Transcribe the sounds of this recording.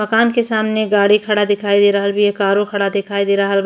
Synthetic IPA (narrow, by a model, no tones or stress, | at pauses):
mɐkaːnkesaːmneɡaːɽikʰɐɽad̪ɪkʰaːid̪eːɾaɦəlbʱijekaːɾõkʰɐɽad̪ɪkʰaːid̪eːɾaɦəl